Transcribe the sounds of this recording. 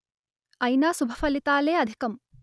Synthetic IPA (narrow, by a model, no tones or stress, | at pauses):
ɐjnaːsubʱɐfʰɐlit̪aːleːɐd̪ʱi̥kɐm